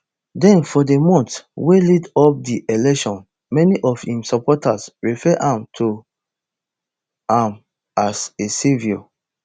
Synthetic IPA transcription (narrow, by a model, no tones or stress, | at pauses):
dɛ̃nfɔdemɔ̃ntwelidɔp̚diʔelɛkʃɔ̃n | mɛniʔɔfhĩmsɔpɔtasɹifɛʔãmtʰo | ãm | aseseviɔ